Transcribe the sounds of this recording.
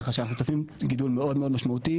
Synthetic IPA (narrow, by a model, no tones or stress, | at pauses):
χaʃanaχnut̪afimɡid̪ulmeod̪meodmaʃmaut̪i